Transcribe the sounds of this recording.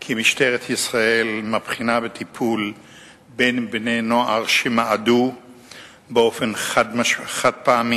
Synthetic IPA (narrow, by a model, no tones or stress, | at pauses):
kʰimiʃteʁet̪ʰisʁaelmapχinabet̪ʰipʰul | benbne̞noʔaʁʃemaadu | beo̞fenadaʃχad̪̚paami